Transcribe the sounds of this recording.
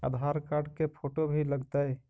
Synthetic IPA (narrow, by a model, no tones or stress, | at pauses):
ə̰d̪ʱaɾkaɾɖkepʰoʈobʱiləɡt̪əj